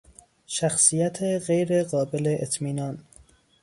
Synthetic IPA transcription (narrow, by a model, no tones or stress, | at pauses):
ʃæxsijæt̪ʰeɣejɾeɢɒːbeleʔet̪ʰmiːnɒːn